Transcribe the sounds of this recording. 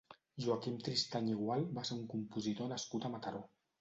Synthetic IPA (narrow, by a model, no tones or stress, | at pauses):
ʒuakimt̪ɾist̪aɲiɣwalˠbaseɾuŋkumpuzit̪onaskut̪amat̪aɾo